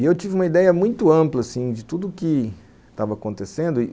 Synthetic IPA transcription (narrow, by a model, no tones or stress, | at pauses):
ewt͡ʃivɪũmɐid̪ɛjɐmũj̃t̪ʊɐ̃mplɐsĩd͡ʒɪt̪ud̪ʊːkɪ | t̪avɐːkõnt̪esẽnd̪ʊ